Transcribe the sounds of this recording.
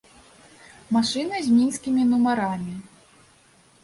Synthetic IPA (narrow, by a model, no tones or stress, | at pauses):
maʂɨnɨzʲmʲinskʲimʲinumaɾamʲi